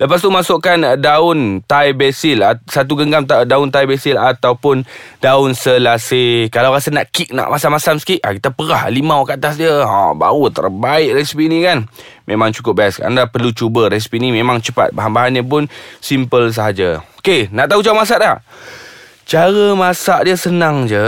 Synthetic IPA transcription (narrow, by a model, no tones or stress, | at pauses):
ləpast̪umasʊʔkandaʊnt̪ajbɛsilasat̪̬uɡəŋɡamt̪adaʊnt̪ajbɛsilat̪awpʊndaʊnsəlasekalawɾasəna̰ʔkik̚na̰ʔmʔasamasamsə̥kiʔʔakit̪əpəɾahlimawkːt̪asdiəa̰ba̰ut̪ə̰rbaɪʔ̚rɛsipinikanmemãŋt͡ʃu̥kʊp̚bajaska̰a̰ndapərlut͡ʃubəɾɛsi̥pinimẽmaŋt͡ʃəpa̰t̪̚baɦanbaɦanɲəp̬ʊnsimpəls̬əɦad͡ʒaokenaʔt̪aɦut͡ʃaumas̬aʔda | t͡ʃaɾəmasaʔdiəsənaŋd͡ʒə